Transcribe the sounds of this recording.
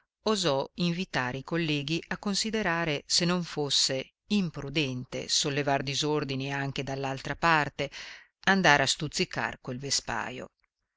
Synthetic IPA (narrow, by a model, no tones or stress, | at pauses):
ozɔiɱvit̪aːɾeikolːɛːɡiʔakːonsid̪eɾaːɾesenːoɱfosːe | impɾud̪ɛnt̪ḛsolːevard̪izord̪iniaŋk̟ed̪alːalt̪ɾapart̪e | and̪aɾeast̪ut̪sːika̰rkwelvespa̰ːjo̰